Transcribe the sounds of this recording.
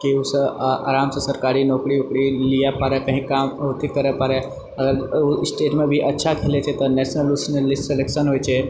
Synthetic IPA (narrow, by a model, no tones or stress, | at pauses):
kiusəʔa̰ɾamsəsəɾkaɾiːnɔkɽiukɽilijapːaɾekə̃ɦĩkamɦot̪ikəɾəpaɾe | əɡəɾusʈeʈmẽbʱiʔɐtːʃʰakʰelet͡ɕet̪əɾnɛsnəlusnəlːisʈselekʃənɦojt͡ʃe